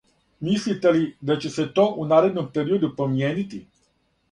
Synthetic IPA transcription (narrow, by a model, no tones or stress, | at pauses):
mislit̪elid̪at͡ʃeset̪oʔunaɾed̪nompeɾiod̪upɾomienit̪i